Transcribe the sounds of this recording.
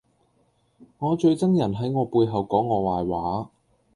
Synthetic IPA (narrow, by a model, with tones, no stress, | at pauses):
ŋɔː˨˧t͡ʃɵ˧ɥt͡sɐ˥ŋjɐ˨˩nɦɐ˨˥jŋɔː˨˧puː˧jɦɐ˨wkɔː˨˥ŋːɔː˨˧waː˨jwaː˨˥